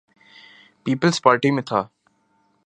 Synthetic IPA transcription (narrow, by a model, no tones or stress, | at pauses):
piːpəlspaːɾʈimẽt̪ʰaː